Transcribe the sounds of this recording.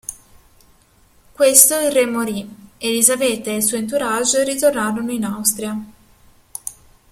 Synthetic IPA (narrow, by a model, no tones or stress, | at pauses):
kwest̪oilremːoɾielizavɛt̪ːeːlsuːent̪uɾad͡ʒeɾit̪ornaːɾonoinawst̪ɾia